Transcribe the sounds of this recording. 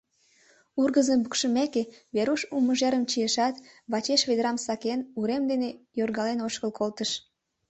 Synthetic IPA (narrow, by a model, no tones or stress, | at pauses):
urɣəzəmbukʃəmekeβeɾuʃuməʒeɾəmt͡ɕijeʃɑt̪βɑt͡ɕeʃβed̪ɾɑmsɑkenuɾemd̪enejorɣɑlenoʃkəlkʰolt̪əʃ